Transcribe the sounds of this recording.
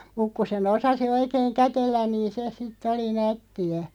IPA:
muk ku sen osɑsi oikeːŋ kætelːæn niːn̞ se sitˑ oli nætːiæ

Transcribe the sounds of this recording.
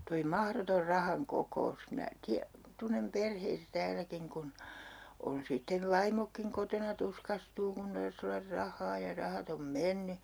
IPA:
toi mɑhrotor rɑhɑŋ kokous minæ tiæ tunːem perheitæ tæːlækiŋ kun on sitːeʋ̆ ʋɑimokːiŋ kotonɑ tuskɑstuː kun tɑrs olːɑr rɑhːɑː jɑ rɑhɑt om menːy

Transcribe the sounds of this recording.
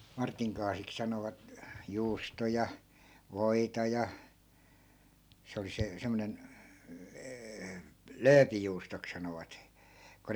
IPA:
mɑrtiŋ kɑːsik sɑnoʋɑt juːstojɑ ʋoitɑ jɑ se oli se semːŏnen løːpijuːstok sɑnoʋɑt ko

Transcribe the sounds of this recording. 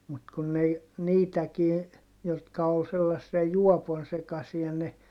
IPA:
mut kun n ei niːtækiː jotkɑ ol selːɑsːiɑ juɔpon sekɑsiɑ ne

